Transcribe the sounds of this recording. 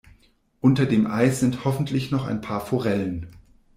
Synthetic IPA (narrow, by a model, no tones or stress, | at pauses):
ʔʊntɐdeːmʔaɪsz̥ɪnthɔfn̩tʰlɪçnɔχa̰ɪnpʰaːɐfoʁɛlən